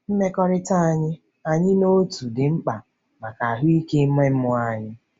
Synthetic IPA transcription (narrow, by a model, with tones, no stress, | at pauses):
n̩˦me˦kɔ˦ɾɪ˦ta˦a˨ɲɪ˦ | a˨ɲɪ˦no˦tu˨dɪ˨ŋ͡m̩˦k͡pa˨ | ma˨ka˨a˨ɦʊ˦i˦ke˦m̩˦me˦m̩˦mʊ˦a˦ɲɪ˦